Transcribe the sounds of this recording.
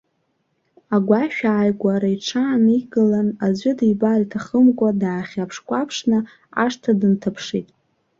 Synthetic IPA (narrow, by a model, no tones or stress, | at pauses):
aɡʷaʃᶣaːjɡʷaɾaiʈ͡ʂʰaːniɡɨlanazʷɪdijbaritʰaχəmkʷʼadaːχʲapʰʂkʷʼapʰʂnɨ | a̰ʂtʰadɨntʰapʰʂitʼ